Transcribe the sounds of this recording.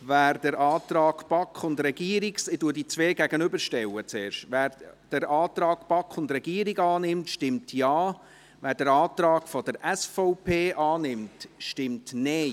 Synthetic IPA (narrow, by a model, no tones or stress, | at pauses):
væːrd̥əɾʔɑːtrɑːɡpɑkχʊndɾɛɡ̥iːəɾiksɪtuədit͡sʋeːɡæɡ̥ənʏbəɾʃtɛwət͡seːɾʃtʋæːɾd̥əɾɑːt̪ɾɑːɡpɑkχʊndɾɛɡ̥iːəɾiɡɑːnɪmtʃtɪmtʰjɑː | ʋæːɾd̥əɾɑːtɾɑːɡ̥fɔdəɾʔæsfɔʊpʰeːʔɑːnɪmtʃtɪmtne